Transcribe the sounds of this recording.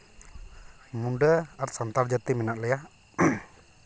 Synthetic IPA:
munɖəat̪sant̪ard͡ʒat̪iminaʔləja

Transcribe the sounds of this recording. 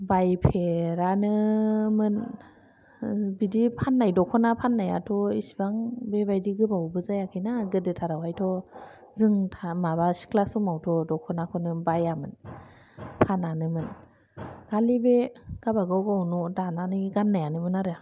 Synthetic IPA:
bajpʰeɾanɯmɯn | bidipʰanːajdɔkʰɔnapʰanːaja̰tʰɔisi̥baŋbebajdiɡɯbawbɯzajakʰɯnaɡɯdɯtʰaɾawɦajtʰɔ | zɯŋtʰamaβasi̥kʰlasumawtʰɔdɔkʰɔnakʰɔnɯbajamɯn | pʰananɯmɯn | ɡ̥alibeɡ̥abaɡawɡawnɔdananɯɡanːajanɯmɯnaɾɯ

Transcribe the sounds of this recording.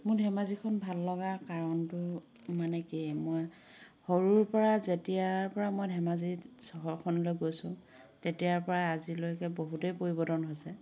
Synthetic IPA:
mʊɹdʱɛmazikʰɔnbʱalːɔɡakaɹɔntʊ | manɛkimɔj | hɔɹuɹpɔɹazetijaɹpɔɹamɔjdʱɛmazisɔɦɔɹkʰɔnɔlojɡojsʊ̰̃ | tetijaɹpɔɹaːzilojkɛboɦutejpoɹibɔdɔnɦojsɛ

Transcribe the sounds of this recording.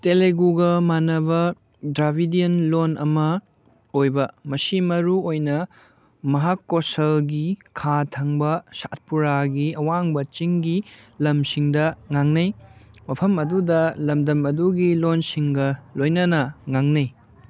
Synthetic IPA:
teleɡuɡɐmanɐbɐ | dɾabʱidiɐnlonʔɐ̰mɐ | ojbɐmɐsimɐɾuojnɐ | mɐɦakːosɐlɡikʰatʰɐŋbɐsa̰t̚puɾaɡiɐwaŋbɐt͡ʃiŋɡilɐmsiŋdɐŋaŋnɐjmɐpʰɐmɐdudɐlɐmdɐmɐduɡilonsiŋɡɐlojnɐnɐŋaŋnɐj

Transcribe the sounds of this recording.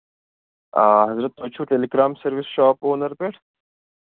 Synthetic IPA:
aːɦɐzɾət̪ːoːt͡ʃʰuːʈeːleɡɾaːmsɐɾʋɪsʃaːpoːnɐɾpeːʈʰ

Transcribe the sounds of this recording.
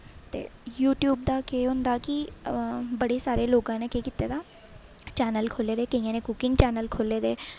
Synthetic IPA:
t̪ḛːjuːʈjuːb̚d̪akeːɦõnd̪aki | bəɽesaːɾeloːɡãːnekeːkɪt̪ed̪aː | t͡ʃɛːnəlkʰoːleːd̪eːkɐĩːãnẽkʊkɪ̃ŋɡt͡ʃɛːnəlkʰoːled̪eː

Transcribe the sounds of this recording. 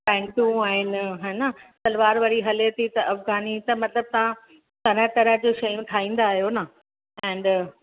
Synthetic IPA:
pɛ̃ːɳʈjũaːɦɪnɦɛːnɐt̪ɐlʋaːɾʋɐɽiɦɐlet̪ʰit̪ɐʔɐfɡaːnit̪ɐmɐt̪ləb̚t̪ɐʋã | t̪ɐɾ̤ə̃t̪ɐɾəɦd͡ʑoʃɐjũt̪ʰaːɦĩːn̆d̪aːɦijonɐ | ɛ̃ːɳɖ

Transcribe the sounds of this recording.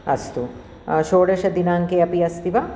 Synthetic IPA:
ɐst̪u | ʃoːɽɐʃɐd̪inaːŋkeɐpiɐst̪iʋa

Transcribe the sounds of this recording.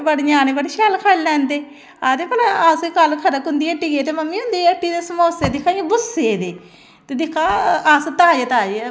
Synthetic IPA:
bəɽɲaːneːbəɽeʃɛːlkʰaːllɛ̃ːnd̪eː | aːd̪eːpəlaaːsekalkʰəɾəkɦʊnd̪iːəʈːiːeːt̪eːməmːiːɦʊ̃nd̪iːəʈːiːd̪eːsəmoːseːd̪ɪkʰːaːjːbʊseːd̪eː | t̪eːd̪ɪkʰːaːaːst̪aːd͡ʒet̪aː

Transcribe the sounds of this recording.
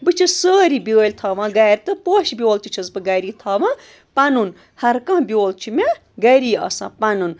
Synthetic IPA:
bɨt͡ʃʰisəːɾibʲəːlʲt̪ʰɐːʋãːɡɐːɾʲt̪ɨpoːʃbʲoːlt̪it͡ʃʰɐzbɨɡɐɾiːt̪ʰɐːʋã | pɐnun | hɐɾkɐ̃ːbʲjoːlt͡ʃʰime | ɡɐɾiːɐ̰sã̰ːpɐnun

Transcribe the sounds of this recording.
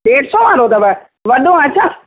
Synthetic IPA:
ɖeːʈsɔːʋaːɾot̪ɐʋə | ʋɐɗõɐt͡ɕʰaː

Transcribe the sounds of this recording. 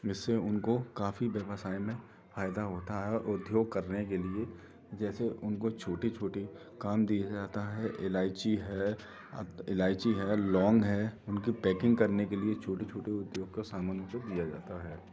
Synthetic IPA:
ɪsːeʊnkokaːfibeʋəsaːimẽ | faːjd̪aɦoːt̪aɦɛʔʊd̪ʱjoːɡ̚kɐɾnek̬elie | d͡ʒɛːseʔʊnkot͡ʃʰoːʈit͡ʃʰoːʈe | kaːmd̪ijad͡ʒaːt̪aɦɛʔɪlaːɪt͡ʃiɦɛː | ɪlaːɪt͡ʃiɦɛːlɔːŋɡɦɛːʊnkipɛːkɪ̃ŋɡ̚kɐɾnekeliet͡ʃʰoːʈet͡ʃʰoːʈeʊd̪joːɡ̚kosaːmənʊod̪ijad͡ʒaːt̪aɦɛː

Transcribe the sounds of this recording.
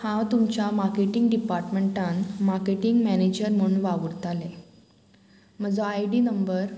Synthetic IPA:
hãwt̪umt͡ɕjamaɾkeʈiŋɡɖipaɾʈmeɳʈãnmaɾkeʈiŋɡmæned͡ʑəɾm̤əunʋaʋuɽt̪ale | m̤əd͡zoajɖiːnəmbəɾ

